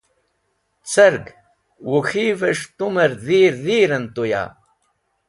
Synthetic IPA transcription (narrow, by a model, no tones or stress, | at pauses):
t͡sʰəɾɡ | wuxiːvəʂt̪uməɾðiːɾðiːɾənt̪uja̰